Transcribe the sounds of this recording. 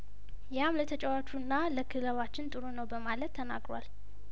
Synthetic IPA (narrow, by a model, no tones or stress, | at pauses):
jamlət̪ʰət͡ʃʼɛwat͡ʃːunːaləkʰɨləβat͡ʃːɪnt̪ʼɨɾunəwbəmalət̪ʰːəna̰ɡɾa̰l